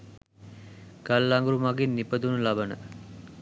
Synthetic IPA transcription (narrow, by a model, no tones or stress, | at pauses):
ɡ̥alːaŋɡuɾumaɡinːipəd̪unulabənə̰